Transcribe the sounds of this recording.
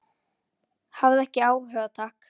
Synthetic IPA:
havðɛhcɪaːwhœɣðat̪ʰaːk

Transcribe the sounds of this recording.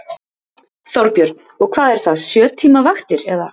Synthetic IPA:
θɔwɾpjœɾt̪n̥ɔɣkʰvaːðɛɾ̥θaðsjœːt̪ʰiːmavaxt̪ɪɾɛɣða̰

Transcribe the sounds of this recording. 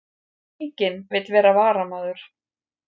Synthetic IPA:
cɪnvɪt̪lvɛːɾavaːɾamaːðʏɾ̥

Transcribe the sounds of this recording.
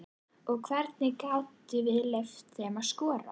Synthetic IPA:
ɔɣkʰvɛɾt̪nɪkawt̪ɪvɪðlœft̪θɛmaðskɔːɾa̰

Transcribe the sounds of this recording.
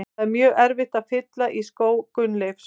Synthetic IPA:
amjœːɣɛɾvɪht̪afɪt̪laʔiskoːwkʏnlefs

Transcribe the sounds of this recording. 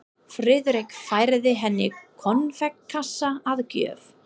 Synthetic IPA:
fɾɪðɾɪkfaːjɾðɪɦɛnːɪkʰɔnːvɛkʰːasːaaðcœ̰ːv

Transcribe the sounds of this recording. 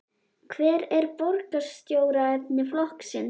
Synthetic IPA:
kʰvɛːɾɛɾpɔɾkasst̪joːwɾaɛp̚nɪflɔhksɪn

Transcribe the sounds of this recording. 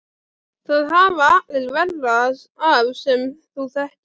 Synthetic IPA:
θaðɦaːvaðɪlvɛlːað | avsɛmθuθaht̪

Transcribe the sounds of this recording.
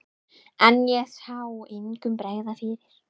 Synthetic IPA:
anjɛsawɪŋkʏmpɾeːjɣðaθɪːɾɪɾ̥

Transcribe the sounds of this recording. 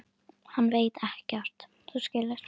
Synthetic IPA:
hanːveːjt̪ɛhcɛr̥t̪ | θuscɪːlɪ̥

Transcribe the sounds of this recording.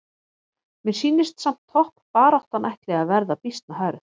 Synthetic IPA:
mɪnsiːnːɪst̪sam̥t̪ʰːɔhppaːɾawht̪anʔajht̪lɛɣaðvɛɾðapist̪naɦœɥɾʏ

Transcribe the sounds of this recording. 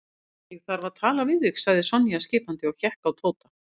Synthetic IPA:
jɛɣθaɾvat̪ʰaːlavɪðvɪxsaɣðɪsɔnːjascɪːpant̪ɪɔɣçɛhkawt̪ʰoːwt̪ḁ

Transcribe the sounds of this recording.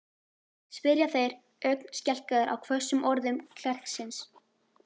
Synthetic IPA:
spɪɾjaθejɾ | œkn̥scɛl̥kaðɪɾʔa̰wkʰvœsʏmʔɔɾðʏmkʰl̥ɛr̥ksɪns

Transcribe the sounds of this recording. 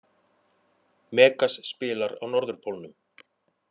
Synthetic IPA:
mɛːkasːpɪːlaɾawnɔɾðʏɾ̥pʰowlnʏm

